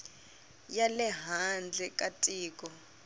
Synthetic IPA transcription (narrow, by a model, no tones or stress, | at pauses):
jalɛɦand͡ɮʱɛkʼatʼiːkʼɔ